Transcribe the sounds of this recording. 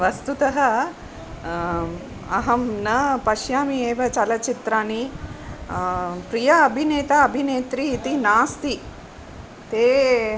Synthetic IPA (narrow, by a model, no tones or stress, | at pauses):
ʋɐst̪ut̪ɐɦɐ | ɐɦɐmnɐpɐʃjaːmieːʋɐt͡ʃɐlɐt͡ʃit̪ɾaːni | pɾijɐːbʱineːt̪aɐbʱineːt̪ɾiːt̪inaːst̪i | t̪eː